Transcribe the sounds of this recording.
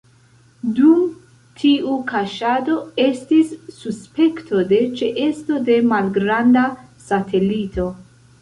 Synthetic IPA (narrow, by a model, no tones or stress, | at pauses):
dum | tʰiukaʃado̞e̞stisːuspe̞ktʰo̞de̞t͡ʃeʔe̞sto̞de̞malɡɾanda | satʰe̞lito̞